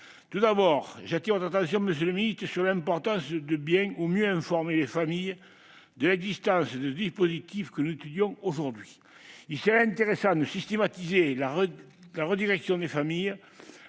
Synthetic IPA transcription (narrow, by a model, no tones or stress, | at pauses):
t̪ud̪abɔʁʒat̪iʁvɔt̪χat̪ɑ̃sjɔ̃məs̬jøləmiit̪əsyʁlɛ̃mpɔʁt̪ɑ̃sd̪əbjɛ̃ŋumjøɛ̃fɔʁmelefamijə | d̪əlɛɡzist̪ɑ̃sd̪əd̪ispozit̪ifkənuzet̪yd̪jɔ̃oʒuʁd̪ɥi | ilsəʁɛɛ̃nt̪eʁesɑ̃d̪əsist̪emat̪izelaʁə | laʁəd̪iʁɛksjɔ̃d̪efamij